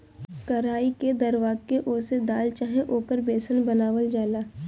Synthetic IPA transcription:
kɐɾaːiked̪ɐɾʋaːɡkeʔʊsed̪aːlt͡ʃaːɦẽʔoːkəɾbeːsənbɐnaːʋəld͡ʒaːlaː

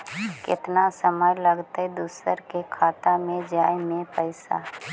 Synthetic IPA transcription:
kɪt̪nasəməjləɡt̪aɛd̪usəɾkekʰaːt̪amẽd͡ʒaːjmẽpəɪsa̰

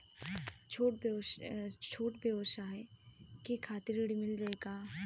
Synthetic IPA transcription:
t͡ʃʰoːʈ̚b | t͡ʃʰoːʈbʱeoːʃaɦɛkikʰaːt̪ɪɾɪɽimɪld͡ʒaːeːɡaː

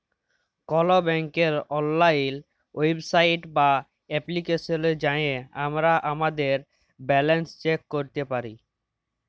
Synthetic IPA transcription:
kɔlobɛŋkeɾɔnːajl | websajʈba | ɛplikeʃoned͡ʑajeamɾaʔamad̪eɾ | bɛlenst͡ɕekːoɾt̪epaɾi

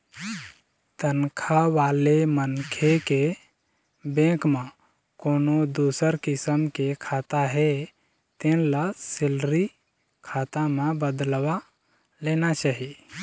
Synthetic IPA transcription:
t̪ənkʰaʋaːlemənkʰeke | bẽkmẽ | koːnod̪usəɾkɪsəmkekʰaːt̪aɦe | t̪ẽnlasɪlɾi | kʰaːt̪amẽbəd̪lwa | leːnat͡ʃaːɦi

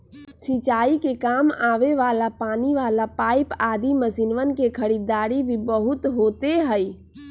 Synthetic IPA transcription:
sit͡ʃaːikekaːmaːʋeʋaːlapaːniʋaːlapaːɪpaːd̪iməsinʋənkekʰəɾid̪aːɾibʱibəɦʊt̪ɦoːt̪eɦəj

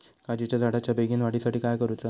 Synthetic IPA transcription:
kad͡ʑit͡ɕjad̪ʱaɽat͡ɕjabeɡiːnʋaɽisaʈiːkajkəɾut̪la

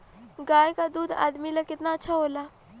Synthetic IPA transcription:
ɡaːjkad̪uːd̪a̰ːd̪milɐkɪt̪naɐtːʃʰaɦoːlaː

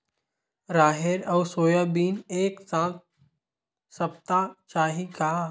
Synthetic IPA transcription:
ɾaːɦeɾɐwsoːjabiːneːksãːt̪ | səp̚t̪at͡ʃaːɦika

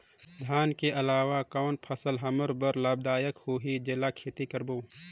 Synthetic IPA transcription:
d̪ʱjaːnkeʔɐlaːʋakɔːnpʰəsəlɦɐməɾbəɾlaːbd̪aːjəkhoːɦid͡ʒɪlakʰeːt̪ikəɾboː

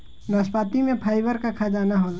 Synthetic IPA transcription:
naːspaːt̪imẽpʰaːɪbəɾkakʰad͡ʒaːnaɦo

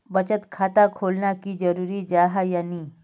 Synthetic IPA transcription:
bət͡ɕət̪kʰat̪akʰolnakiːd͡ʑəɾuɾiːd͡ʑaɦajaniː

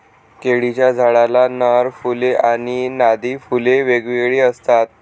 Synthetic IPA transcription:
keɽit͡ɕjad͡zʱaɭalanəɾfuleʔañinad̪ifuleʋeɡʋiɡɭiːəst̪at̪̚

